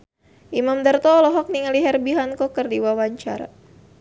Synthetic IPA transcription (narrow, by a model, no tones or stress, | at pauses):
ʔimamd̪ərt̪ɔlɔɦɔk̚niŋaliɦɛrbiɦankɔkərdiwawaɲt͡ʃaɾa̰